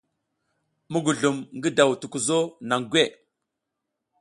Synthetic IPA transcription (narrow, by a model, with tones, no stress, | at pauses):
mu˦ɡu˨ɮu˨mŋɡə˦da˨wtu˨ku˨zo˦na˨ŋɡʷe˦˨